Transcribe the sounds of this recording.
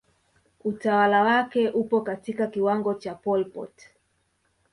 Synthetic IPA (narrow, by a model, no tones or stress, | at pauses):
utawalawakɛʔupɔkatikakiwaŋɡɔt͡ʃapɔlpɔ̰t